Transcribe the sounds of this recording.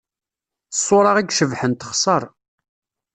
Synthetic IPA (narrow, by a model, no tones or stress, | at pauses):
sˤːʊɾˤɑʁiɡʃəvħənt̪ə̥χsˤɑɾˤ